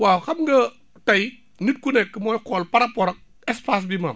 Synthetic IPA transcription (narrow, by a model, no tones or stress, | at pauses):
waxɐmŋɡɐ | tɐj | nit̚kunɛkːəmɔːjkɔlpɐɾɐpɔɾɐk̚ | ɛspas̬bima̰m